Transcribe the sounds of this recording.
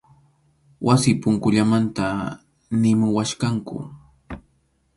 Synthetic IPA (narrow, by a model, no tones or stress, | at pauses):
wasɪpʊŋkʊʎamant̪a | nɪmʊwaʃkaŋkʊ̰